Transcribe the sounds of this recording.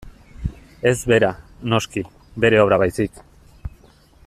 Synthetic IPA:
e̞zβe̞ɾano̞ski | be̞ɾe̞oβɾaβ̞ajsik

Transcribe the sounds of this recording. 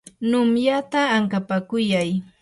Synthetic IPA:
nʊmjat̪aːŋkapakʊjaj

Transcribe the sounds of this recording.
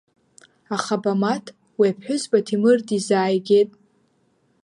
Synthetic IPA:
aχabamatʰ | weapʰħʷᶣʊzbʼatʰimɨrdizaːjɡʲetʼ

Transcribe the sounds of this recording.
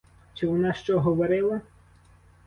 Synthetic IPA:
t͡ʃɪʋɔnɑʃt͡ʃɔɦɔʋɔɾɪlˠɐ

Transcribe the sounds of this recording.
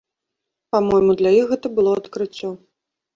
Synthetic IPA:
pamɔjmud̪lʲajixɣɛt̪ɐbɨlˠɔɐt̪kɾɨt͡sʲːɔ

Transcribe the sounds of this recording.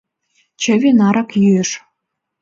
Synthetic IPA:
t͡ɕə̆βʲenɑɾɑkjyeʃ

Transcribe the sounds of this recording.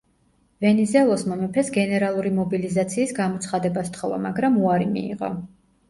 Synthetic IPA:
vɛnizɛlˠɔsmɔmɛpʰɛsɡɛnɛɾalˠuɾimɔbilizat̪sʰiːsɡamɔt̪sʰχad̪ɛbast̪ʰχɔva̰ma̰ɡɾamuaɾimḭːʁɔ̰

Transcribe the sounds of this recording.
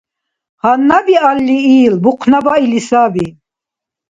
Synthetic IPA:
hanːabialːiiːlbuqʰnabailisabi

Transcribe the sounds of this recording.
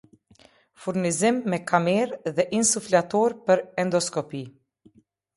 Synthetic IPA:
fuɾnizimːɛkʰamɛɾðɛʔinsuflat̪ɔɾpəɾɛnd̪ɔskɔpi

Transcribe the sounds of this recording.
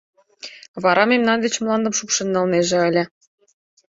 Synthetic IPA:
βɑɾɑmemnɑnd̪et͡ɕmlˠɑnd̪ɤmʃupʃɤ̆nːɑlneʒĕəlʲĕ

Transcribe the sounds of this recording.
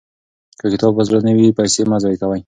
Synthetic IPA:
kəkɪt̪ɑbbazɾanəwipajsemazɑjkawaj

